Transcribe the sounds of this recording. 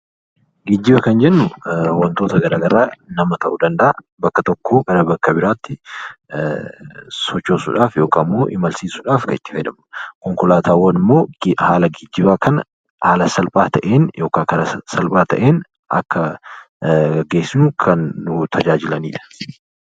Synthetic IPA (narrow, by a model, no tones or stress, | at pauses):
ɡɪd͡ʒːɪbɐkɐnd͡ʒɛnːʊwɐnt̪o̞ːt̪ɐɡɐɾaːɡɐɾaːnɐmɐt̪ɐʔud̪ɐnd̪ɐʔa | bɐkːɐt̪ɔkːoːɡɐɾɐbɐkːɐbɪɾaːt̪ːɪ | sɔt͡ʃːoːsʊᶑaːfjo̞ːkaːmːo̞ːʔɪmɐlsiːsʊᶑaːfkɐɪt̪ːɪ̥fɐjᶑ̪ɐmʊ̥kɔŋkʊlaːt̪ʰaːwːɐnɪmːo̞ːhaːlɐɡɪd͡ʒːɪbaːkɐnɐ | haːlɐsɐlpʼaːt̪ʰɐʔeːnjʔo̞ːkaːkɐnɐsɐlpʼaːt̪ʰɐ̰ʔe̞ːn | ʔɐ̰kːɐ | ɡeːsːɪnʊkʰɐnːʊt̪ʰɐd͡ʒaːd͡ʒɪlɐniːᶑɐ̥